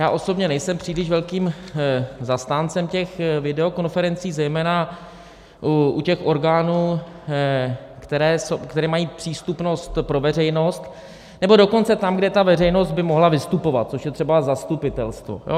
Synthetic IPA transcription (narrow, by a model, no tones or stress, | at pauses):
jaːʔoso̞bɲɛnɛjsɛmpr̥iːlɪʃvɛlkiːm | zast̪aːnt͡sɛmcɛxvɪdɛo̞ko̞nfɛɾɛnt͡siːzɛjmɛːna | uʔucɛxʔo̞ɾɡaːnuː | kt̪ɛɾɛːsokt̪ɛɾɛːmajiːpr̥iːst̪upno̞st̪pɾo̞vɛr̝ɛjno̞st̪ | nɛbo̞do̞ko̞nt͡sɛt̪amɡdɛt̪avɛrɛjno̞sd̪̚bɪmo̞ɦlavɪst̪upo̞va̰t̪̚t͡so̞ʃjɛt̪r̥ɛbazast̪upɪt̪ɛlst̪vo̞̰jo̰